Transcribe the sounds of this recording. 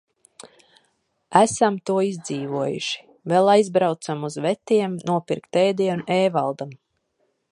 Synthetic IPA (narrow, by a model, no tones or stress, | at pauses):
æsamt̪uɔizd̪ziːvuɔjṵʃi̥ | vɛlˠajzbɾawt̪samuzvɛt̪iɛmnuɔpiɾkt̪ɛːd̪iɛnuʔɛːvalˠd̪am